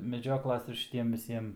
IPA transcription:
mʲɛˈd͡ʒʲoːklˠɐs ɪr ʃʲɪˈtʲiɛm ʋʲɪˈsʲiɛm

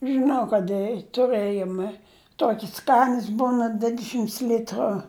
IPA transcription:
ʒɨˈnɐʊ kɐt ˈɪ tʊˈrɘjoːmʲɛ ˈtuɔkʲɪs ˈskɑːnʲɛs ˈbuːnɐ ˈdʲʋʲɪdʲɛʃʲɪmts ˈlʲɪtrʊ

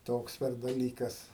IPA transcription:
ˈtoːks pʲɛr dɐˈlʲiːkɐs

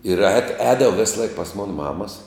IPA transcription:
ɪr ɛːt ˈɛːdɐʋoː ˈʋʲeːsˌlˠɐɪk pɐs ˈmoːnɐ ˈmɑːmɐs

